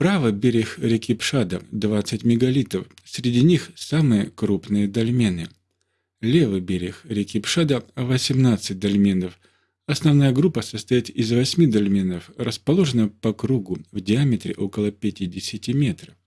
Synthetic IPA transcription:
pɾavɨbʲeɾʲɪxɾʲɪkʲipʂad̪əd̪vat̪sɨtʲmʲɪɡɐlʲit̪əf | sʲɾʲɪdʲinʲixsamɨjəkɾupnɨjəd̪ɐlʲmʲenɨ | lʲe̞vɨjbʲeɾʲɪxɾʲɪkʲipʂad̪əvəsʲɪmnat̪sɨt̚ʲd̪ɐlʲmʲenəf | ɐsnɐvnajəɡɾupːəsəst̪ɐjit̪ɪzvɐsʲmʲid̪ɐlʲmʲenəfrəspɐlˠo̞ʐɨnəpɐkɾuɡʊvdʲɪamʲɪt̪ɾʲɪ̰ʔo̞kəlˠəpʲɪtʲidʲɪsʲɪtʲimʲet̪ɾəf

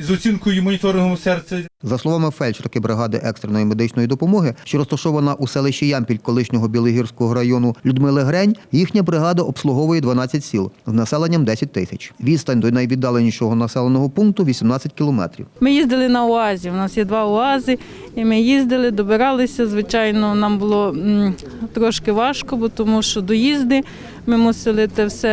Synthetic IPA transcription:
zɔt͡sʲinkʊimʊnʲit̪ɔɾnɦɔɦɔsɛrt̪t͡sʲɛzɐslˠɔʋɑmɪfɛlʲt͡ʃt̪ɐkɪbɾɪɦɑd̪ɪʔɛkst̪ɾenɔjimed̪ɪt͡ʃnɔjid̪ɔpɔmɔɦɪʃt͡ʃɔɾɔst̪ɐʃɔʋɐnɐʔusɛlˠɪʃijampʲidʲkɔlˠɪʃnʲɔɦɔbʲilˠɪɦirsʲkɔɦɔɾɐjɔnʊlʲʊd̪mɪlˠeɦɾɛnʲjixnʲɐbɾɪɦɑd̪ɐʔɔpslˠʊɦɔʋʊjɛd̪ʋɐnɑt͡sʲːɐtʲsʲilˠznɐsɛlˠenʲːɐmd̪ɛsʲɐt̚ʲt̪ɪsʲɐt͡ʃʋʲid̪st̪ɐnʲd̪ɔnɐjʋʲid̪ːɑlˠenʲiʃɔɦɔnɐsɛlˠenɔɦɔpunk̚t̪ʊʋʲisʲimnɑt͡sʲːɐtʲkʲilˠɔmɛ̰t̪ɾʲḭwmɪjizd̪ɪlˠɪnɐʊɑzʲiwnɑsjɛd̪ʋɑʊɑzɪ | imɪjizd̪ɪlˠɪd̪ɔbɪɾɑlˠɪsʲɐzʋɪt͡ʃɑjnɔnɑmbʊlˠɔ | t̪ɾɔʃkɪʋɑʃkɔbɔt̪ɔmuʃt͡ʃɔd̪ɔjizd̪ɪ | mɪmusɪlˠɪt̪ɛwsɛ

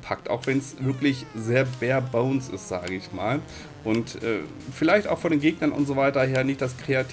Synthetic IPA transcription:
pʰak̚ta̰ʊxv̥ɛnsvɪɐklɪçzeːɐbɛːɐboʊnsɪ̰stz̥aːɡəɪçmaːl | ʔʊntʔɛ̰ː | fɪlaɪçta̰ʊxfɔndeːnɡeːɡnɐnʔʊ̰ntzovaɪtɐheːɐnɪçt̚d̥askʁ̥eatʰː

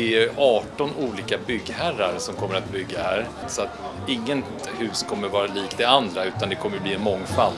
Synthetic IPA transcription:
ɛæɾɑːʈɔnʔuːliːkabʏɡhæɾaɾsɔmkʰɔmːəɾat̪̚bʏɡːahæɾ | sɔat̪ | ɪŋːənt̪ | hʉ̟ːskʰɔmːəɾvɑːɾaliːkd̪ɛand̪ɾaʉ̟ːt̪and̪ɛkʰɔmːəɾbliːɛnmɔŋːfal

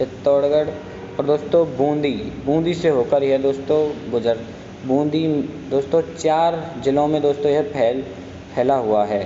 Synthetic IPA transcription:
sɪt̪ːɔːɽɡəɽ | ɔːɾd̪oːst̪õbũːnd̪ibũːnd̪iseɦoːkəɾɦɛd̪oːst̪õɡʊd͡ʒəɾt̪ | bũːnd̪id̪oːst̪õt͡ʃaːɾd͡ʒɪlõmẽd̪oːst̪õjeɦpʰɛːl | pʰɛːlaɦʊaɦɛː

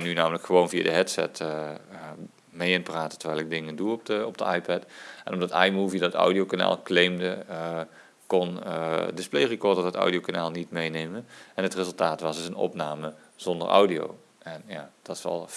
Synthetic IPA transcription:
nynaːmələkxəʋownvia̰dəɦɛtsɛ̰t | mejɛnpraːtə̥tərʋɛjlɪɡ̚dɪŋənduɔp̚əɔp̚dəajpɛtʔɛ̰nɔmdɑta̰jmuːvidɔta̰wdijowkana̰ːlˠklejmdə | kɔndɪsplejrikɔdərdɑtɔ̰wdiowkanaːlˠnitmejnejmənɛnətrezəlˠtaːtʋɑsəsənɔ̰pnaːmə | z̥ɔndə̰ra̰wdio̰w | ɛnjaːd̥ɑtɪsʋɛ̰lˠ

